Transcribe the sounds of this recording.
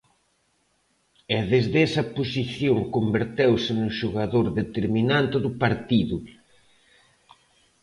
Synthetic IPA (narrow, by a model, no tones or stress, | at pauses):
ɛðezðɛsɐposiθjoŋkombeɾt̪ewsɪnʊʃuɣaðoɾðet̪eɾminant̪ɪðʊpaɾt̪iðʊ